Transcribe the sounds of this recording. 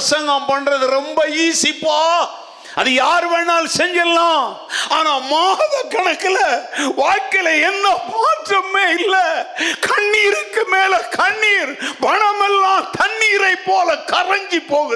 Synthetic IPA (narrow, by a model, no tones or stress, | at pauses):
sɐŋɡɐmpɐnːɾɐðɯɾɔmbɐiːsɪpːaː | ɐðɯjaːɾʋeːɳaːlsɛɲd͡ʒɐlːãː | aːnaːmaːðɐkɐɳɐkːɪlɐʋaːɻkɐɪlɐɛnːɐmaːʈrɐmeːɪlːɐkʰɐɳːiːɾɯkːɯmeːlɛkʰɐɳːiːɾpɐɳɐmɛlːãːt̪ɐɳːiːɾɐɪpːoːlɐkɐɾɐŋɡipːoːɣ